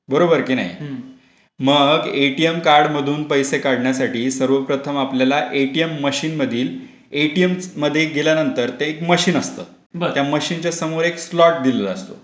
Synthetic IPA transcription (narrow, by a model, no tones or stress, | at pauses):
bəɾobəɾkiːna̰j | məɡeʈiemkaɾɽməd̪ʱuːnpəjsekaɽɳjasaʈiːsəɾʋəpɾət̪ʰəmapljalaʔeʈijemːəɕiːnməd̪ʱiːl | eʈijemməd̪ʱːjeɡeljanənt̪əɾt̪ẽekməɕiːnəst̪ə̰ː | bt̪jaməɕiːnt͡ɕjasəmoɾekslɔʈ̚d̪illəəst̪o̰